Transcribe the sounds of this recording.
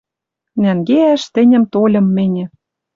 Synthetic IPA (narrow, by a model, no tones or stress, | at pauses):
næŋɡeæʃt̪ɘ̆nʲə̆mt̪olʲɤ̆mːɘ̆nʲɘ̆